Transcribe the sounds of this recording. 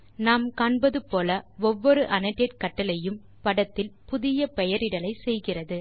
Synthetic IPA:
naːmkaːɳbɐðɯpoːlɐʋɔʋːɔɾɯʔɐnɐʈːeʈ̚kɐʈːɐlɐjɯm | pɐɽɐt̪ːɪlpʊðɪjɐpɛjɐɾɪɽɐlɐɪsɛjɣɪrɐðɯ

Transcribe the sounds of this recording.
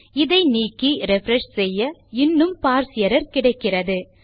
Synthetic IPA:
ɪðɐɪniːkːiɾɛfɾɛʂsɛjːɐɪnːɯmpaːɾsɪjɐɾɐɾkɪɽɐɪkːɪrɐðɯ

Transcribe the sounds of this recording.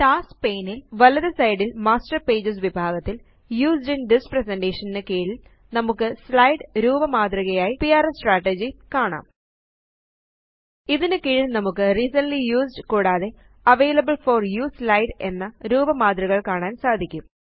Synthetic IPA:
ʈaːspeːnilʋɐlɐðɐsɐjɖilmaːsʈɐrpe̞ːd͡ʑɐs̬ʋibʱaːɣɐt̪ːil | juːsɖinɖispreseɳɖeːʂɐninɨkiːɻi | nɐmukːɨslɐjɖɾuːbɐmaːd̪riɣɐjaːjipijaːɾesʈraːʈːed͡ʑikaːɳa̰ːm | iðinɨkiːɻilnɐmukːɨrisɐnlijuːsɖɨkuːɽaːðe̞ | ɐʋejlɐbɨɭforjuːslɐjɖe̞̰nːɐɾuːbɐmaːd̪riɣɐɭkaːɳaːnsaːd̪ʱikʲːum

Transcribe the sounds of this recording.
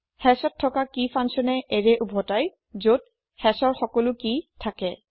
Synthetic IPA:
hɛsɔtʰːɔkakifʰansɔnɛʔeɹɛʔubʱɔtaj | zot̚ | hɛsɔɹxɔkɔlʊkitʰakɛ

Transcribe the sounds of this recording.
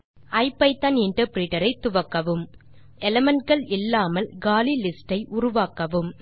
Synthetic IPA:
ɐɪpːɐɪt̪ːɐnɪɳʈɐɾpɾiːʈɐɾɐɪt̪ːʊʋɐkːɐʋɯm | ɛlɛmɐnʈ̚ɡɐɭɪlːaːmɐlɡaːlilɪsʈɐɪʔʊɾʊʋaːkɐʋɯm

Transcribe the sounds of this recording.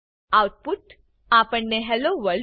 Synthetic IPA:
awʈ̚puʈ | apəɳːeɦɛloʋəl

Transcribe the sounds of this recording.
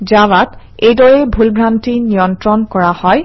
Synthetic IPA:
zawat | ejdɔɹɛbʱulbʱɹantinijɔntɹɔnkɔɹahɔj

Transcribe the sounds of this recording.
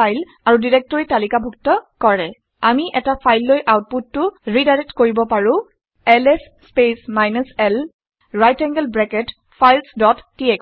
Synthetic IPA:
ajl | aɹudiɹɛk̚tɔɹitalikabʱuk̚tɔkɔɹɛ | amiʔɛtapʰajlːojʔawt̚pud̚tʊɹidaɹɛtkoɹibɔpaɹʊ̃ | ɛlɛsːpesmajnusɛl | ɹajtɛŋɡəlbɹɛkɛt | pʰajlsdɔtːiɛk

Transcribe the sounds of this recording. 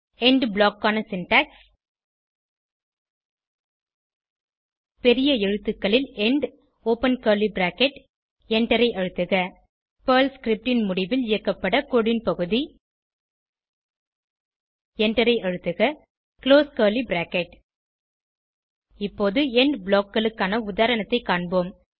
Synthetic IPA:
ɛɳɖblaːkːaːnɐsɪnʈɐks | pɛɾɪjɐɛɻɯt̪ːɯkːɐɭɪlɛɳɖ | oːpɐnkɐːɾlibɾaːkɛʈ | ɛɳɖɐɾɐɪʔɐɻɯt̪ːɯɣɐ | pɐːlskɾɪp̚ʈɪnmʊɽɪʋɪlɪjɐkːɐpːɐɽɐkoːɽɪnpɐɣɯði | ɛɳʈɐɾɐɪʔɐɻɯt̪ːɯɣɐ | kɪloːskɐːɾlibɾaːkɛʈ | ɪpːoːðɯɛɳɖbɭoːkːɐɭɯkːaːnɐʊðaːɾɐnɐt̪ːɐɪkːaːɳboːm

